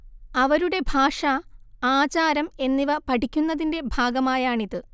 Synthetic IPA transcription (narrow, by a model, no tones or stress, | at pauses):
ɐʋɐɾuɽe̞bʱaːʂɐaːt͡ɕaːɾɐme̞nːiʋɐpɐʈʰikʲːunːɐðinde̞bʱaːɡɐmaːjaːɳiðɨ